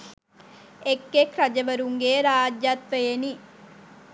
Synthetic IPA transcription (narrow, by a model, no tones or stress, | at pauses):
ekːekɾɐd͡ʒɐʋɐɾuŋɡeːɾaːd͡ʒjat̪ʋejeni